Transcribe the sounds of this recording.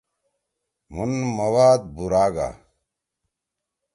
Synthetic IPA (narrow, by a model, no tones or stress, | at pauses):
munmɐwaːd̪̚buɾaːɡa̰ː